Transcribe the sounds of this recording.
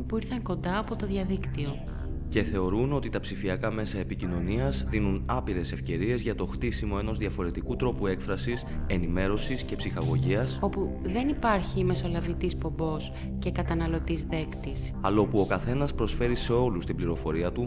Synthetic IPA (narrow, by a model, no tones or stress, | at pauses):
puiɾθɐŋko̞nd̪ɐːpo̞t̪o̞ðʝɐðikt̪io̞ | ce̞θe̞o̞ɾuno̞t̪it̪ɐpsifiɐkɐme̞sɐepicino̞niɐzðinunɐpiɾe̞se̞fce̞ɾie̞zʝɐt̪o̞xt̪isimo̞e̞no̞zðjɐfo̞ɾe̞t̪ikut̪ɾo̞pue̞kfɾɐsise̞nime̞ɾo̞sisce̞psixɐɣo̞ʝiɐso̞puðe̞nipɐɾçime̞so̞lɐvit̪ispo̞mbo̞s | ce̞kɐt̪ɐnɐlo̞t̪izðe̞kt̪is | ɐlo̞puo̞kɐθe̞nɐspɾo̞sfe̞ɾise̞o̞lust̪imbliɾo̞fo̞ɾiɐt̪u